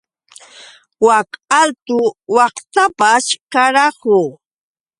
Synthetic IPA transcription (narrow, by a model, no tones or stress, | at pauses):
wakalt̪ʊwɑχt̪apaskaɾɑhʊ